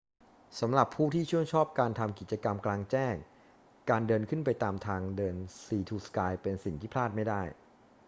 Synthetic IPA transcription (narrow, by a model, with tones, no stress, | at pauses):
sa˩˦mɾa˨˩pʰːuː˥˩t̪ʰiː˥˩t͡ɕʰu˥˩əŋt͡ɕʰɔː˥˩p̚kaː˧nt̪ʰa˧mki˨˩t̪̚t͡ɕa˧ka˧mklaː˧ŋt͡ɕɛː˥˩ŋ | kaː˧ndɤː˧nkʰɯ˥˩npa˧jt̪aː˧mt̪ʰaː˧ŋdɤː˧nsiː˧t̪ʰuː˧skaː˧jpe˧nsi˨˩ŋt̪ʰiː˥pʰlaː˥˩t̪̚ma˥˩jdaː˥˩j